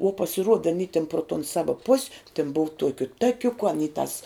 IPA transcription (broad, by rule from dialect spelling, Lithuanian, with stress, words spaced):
uɔ pɐsʲɪˈruɔdɐ ɐˈnʲiː tʲɪn proː toːn ˈsɑːʋɐ pʊsʲ tʲɪn boːw ˈtuɔkʲʊ ˈtɑːkʲʊkʊ ɐˈnʲiː tɐs